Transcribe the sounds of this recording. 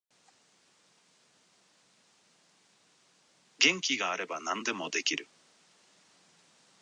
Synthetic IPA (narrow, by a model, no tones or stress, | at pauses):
ɡẽ̞ŋkʲiɡaːɾe̞banãnd̪e̞mo̞d̪e̞kʲiɾɯ̟